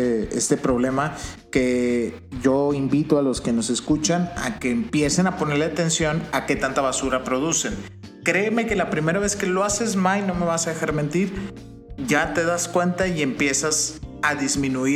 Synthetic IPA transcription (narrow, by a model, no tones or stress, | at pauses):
ḛst̪e̞pɾo̞βle̞make̞ | ʝo̞imbit̪oalo̞ske̞no̞se̞skut͡ʃana̰ke̞ːmpje̞se̞napo̞ne̞ɾleat̪e̞nsjo̞nake̞t̪ant̪aβasuɾapɾo̞ð̞use̞n | kɾe̞ːme̞ke̞lapɾime̞ɾaβ̞e̞ske̞lo̞ase̞zmajno̞me̞βasaðe̞xaɾme̞nt̪iɾ | ʝat̪e̞ðaskwe̞nt̪aie̞mpje̞sasaðizmĩnui